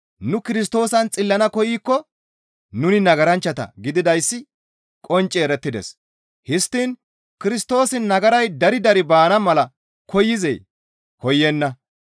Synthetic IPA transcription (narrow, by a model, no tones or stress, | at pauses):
nʊkɪɾɪs̬t̪o̞ːsɐnt͡sʼɪlːɐnɐkɔjiːkːɔ | nʊnɪnɐɡɐɾɐnt͡ʃːɐt̪ɐ̰ɡɪd̪ɪd̪ɐjsːɪ | kʼɔnt͡ʃʼːeːɾɛt̪ːɪd̪ɛ̰s | hɪst̪ːiːn | kɪɾɪst̪o̞ːsɪnnɐɡɐɾɐjd̪ɐɾɪd̪ɐɾɪbaːnɐmɐlɐ | kʰɔjːɪzɛ̰j | kɔjːɛnːɐ